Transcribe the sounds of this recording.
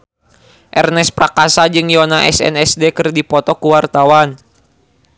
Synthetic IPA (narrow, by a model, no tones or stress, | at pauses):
ʔɛrnɛspɾakasad͡ʒɨŋjɔnaʔɛ̰sɛ̰nɛsdekɨrdipɔt̪ɔkuwart̪awan